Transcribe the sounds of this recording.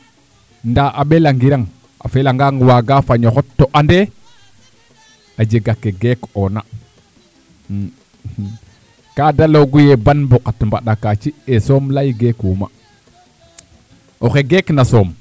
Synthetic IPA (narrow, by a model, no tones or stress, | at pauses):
ndaʔaɓelaŋɡiɾaŋ | a̰felaŋɡaŋwaɡafaɲoxotːoʔande | ad͡ʒeɡakːeɡekona | kadaloɡujebanbokatmbaɗakat͡ʃiesoːmlajɡekuːma | oxeɡeknasoːm